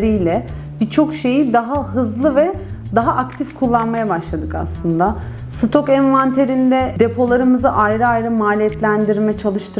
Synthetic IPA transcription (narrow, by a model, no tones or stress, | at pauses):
ɾijlʲɛ | bit͡ʃʰo̞kʃe̞jid̪aɦaɦɯzlˠɯvɛd̪aɦaʔakt̪ʰifkʰulˠːanmajabaʃlˠad̪ɯka̰slˠɯnd̪a | sɯt̪ʰo̞kɛnvant̪ʰe̞ɾind̪ɛd̪e̞pʰo̞lˠaɾɯmɯzɯʔajɾɯajɾɯmaːlʲijɛt̪lʲænd̪iɾmɛt͡ʃʰalˠɯʃt̪ʰɯɾ